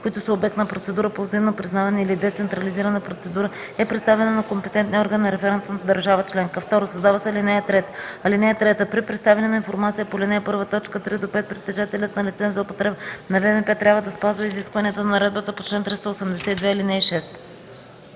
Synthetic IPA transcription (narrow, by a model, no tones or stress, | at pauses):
koʊit̪ʊsəobɛkt̪nəpɾot̪sɛd̪uɾəpozimnopɾiznavɛnəilid̪ɛt̪sɛnt̪ɾɐliziɾənəpɾot̪sɛd̪uɾə | ɛpɾɛt̪st̪avɛnənɐkompɛt̪ɛnt̪niɔɾɡənːɐɾɛfɛɾɛnt̪ənd̪ɐɾʒavət͡ʃlɛŋkəft̪ɔɾosɐzd̪avəsɛlinɛjət̪ɾɛt̪ɐlinɛjət̪ɾɛt̪əpɾipɾɛt̪st̪avɛnɛnɐinfoɾmat̪sijəpolʲinɛɛpɤɾvət̪ɔt͡ʃkət̪ɾid̪opɛt̪̚pɾit̪ɛʒat̪ɛlʲət̪nɐlit̪sɛnzɐopot̪ɾɛpnɐvɛmɛpɛt̪ɾʲavəd̪ɐspazvəiziskvɐniət̪ənɐɾɛd̪̚bət̪əpo̥t͡ʃlɛnt̪ɾist̪əosɛmd̪ɛsɛid̪vɛilinɛiʃɛst̪